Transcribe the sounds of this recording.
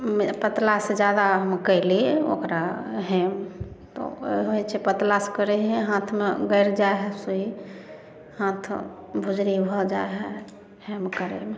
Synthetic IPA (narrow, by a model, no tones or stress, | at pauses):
mepət̪lased͡ʒjad̪aɦəmkəɪlio̰kɾaɦɛmt̪ɔ̰ɦoit͡ʃʰepət̪laskəɾɛɦɛ̃ɦãt̪ʰmeɡəɪɾd͡ʒaeɦɛsuɦi | hãt̪ʰ | bʱud͡ʒɾibʱɔd͡ʒaeɦɛ | hɛmkəɾɛ̰me